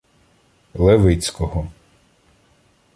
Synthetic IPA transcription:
lˠeʋɪt͡sʲkɔɦɔ

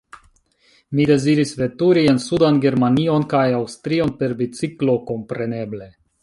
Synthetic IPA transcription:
mide̞ziɾisve̞tuɾiensudanɡe̞ɾmanio̞nkajawstɾio̞npe̞ɾbit͡siklo̞ko̞mpɾe̞ne̞ble̞

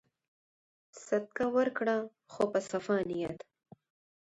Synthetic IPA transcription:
sat̪̚kawəɾkɽa | xopəsafɑnijat̪

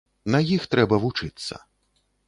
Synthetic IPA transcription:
nɐjixt̪ɾɛbɐvut͡ʂɨt̪sːɐ̰

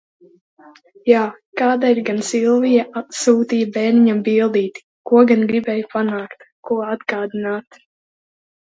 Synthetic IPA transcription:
jaː | kaːd̪aiɾɡansilˠvijaʔat̪suːt̪iːjabɛːnʲiɲambilˠd̪iːt̪ | kuɔɡanɡɾibɛːjupanaːkt̪ | kuɔad̪ɡaːd̪inaːt̪

